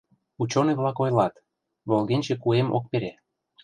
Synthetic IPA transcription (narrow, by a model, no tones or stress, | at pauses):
ut͡ɕoneβlɑkojlɑt̪ | βolɣenʲt͡ɕekuemo̰k̚peɾe